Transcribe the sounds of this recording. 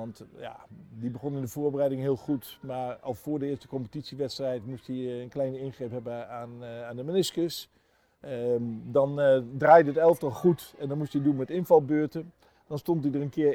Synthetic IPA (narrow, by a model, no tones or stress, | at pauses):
ɑntja̰dibəχonɪndəvoːɹbərɛjdɪŋɦɪːlˠχutmaːɹɑ̰lˠfʊːɹdəɪəstəkɔmpətitsiʋɛtstrɛjtmustiənklɛjnəɪnχrɪpɦɛbəanaːndəmɪnɪskəs | dɑndraːjdəətɛlˠəftɔlˠχutɛndɔnmustidunmɛtɪnfɑlˠbøːɹtə | d̥ɔnstontdidərənkɪ